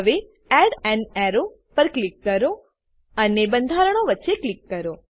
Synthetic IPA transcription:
əʋe | ɛɖɛnɛɾo | pəɾklikːəɾo | ənebənd̪ʱaɾəɳ̃oʋətːʃeklikːəɾo

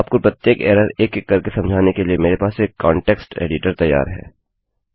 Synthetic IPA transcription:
aːp̚kopɾɐt̪jeːkɛːɾəɾeːkekːɐɾkesɐ̃md͡ʒʱaːnekeliemeːɾepaːseːkːɔːɳʈeːksʈḛːɖɪʈəɾt̪ɐjːa̰ːɾɦɛ̰ː

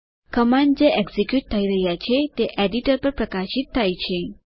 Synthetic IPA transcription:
kəmanɖd͡ʒeʔeɡzikjuʈ̚t̪ʰəiɾəɦjat͡ʃʰet̪eʔeɖiʈəɾpəɾpɾəkaʃit̪ʰːajt͡ʃʰe

